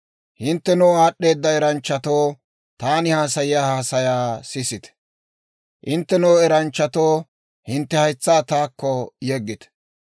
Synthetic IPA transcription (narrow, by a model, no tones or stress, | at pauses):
hɪnt̪ːɛnoːaːɗːe̞ːd̪ːɐɛɾɐnt͡ʃːɐt̪oː | t̪aːnɪhaːsɐjɪjaːhaːsɐjaːsɪsɪt̪ɛ̥ | ʔɪnt̪ːɛnoːɛɾɐnt͡ʃːɐt̪oː | hɪnt̪ːɛhɐjt͡sːaːt̪aːkːɔjɛɡːɪt̪ɛ̥